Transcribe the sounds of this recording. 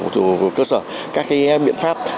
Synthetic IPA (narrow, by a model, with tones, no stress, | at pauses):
kəː˧səː˧˩ | kaː˦˥k̚ka˨˦jɓḭ˧˨ənfaː˦˥p̚